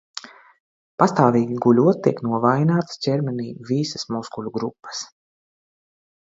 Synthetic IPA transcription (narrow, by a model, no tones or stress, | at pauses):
past̪aːviːɡʲiɡulʲuɔt̪̚t̪ːiɛknuɔvajnaːt̪scʲɛɾmɛniːvisəsmuskulʲuɡɾupːə̥s